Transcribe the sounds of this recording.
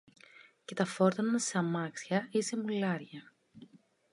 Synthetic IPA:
ce̞t̪ɐfo̞ɾt̪ɐnnɐsɐmɐksçɐise̞mulɐɾʝɐ

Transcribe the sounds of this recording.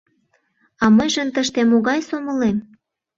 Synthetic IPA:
ɑməjʒənt̪əʃt̪emoɣɑjsomə̆lem

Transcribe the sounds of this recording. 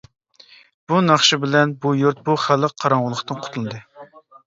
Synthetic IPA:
b̥unɑχʃɨbɪlɛnbujuɾt̪̚buχælˠəqqʰːɑɾɑɴʁʊlˠəχt̪ɨnqʰʊ̥t̪ʰulˠɨd̪ɨ

